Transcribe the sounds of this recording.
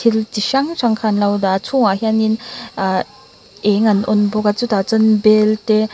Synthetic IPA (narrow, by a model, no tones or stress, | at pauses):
iltiʃaŋsʰaŋkʰanlawdat͡sʰuŋahianin | ʔeŋɐnʔɔnbɔkat͡sut̪at͡sɯnbelt̪e